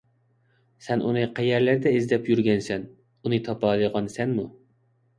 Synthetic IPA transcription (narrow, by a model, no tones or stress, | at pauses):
sɛnʔunɨqʰæjɛɾlæɾd̪ɛɪzd̪ɛpjyɾɡʲɛnsɛn | unɨt̪ʰɑpɑlˠɨʁɑnsɛnmu